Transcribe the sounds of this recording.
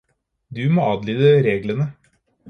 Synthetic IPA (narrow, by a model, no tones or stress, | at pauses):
d̪ʉmoːɑːd̪liːd̪əɾeːɡlənə